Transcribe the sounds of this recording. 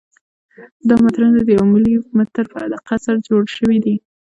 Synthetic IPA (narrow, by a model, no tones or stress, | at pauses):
d̪ɑmat̪ɾand̪ad̪əjawmɪlihʊkmat̪ːəɾpəad̪əqasaɾd͡ʒoɽʃəwid̪i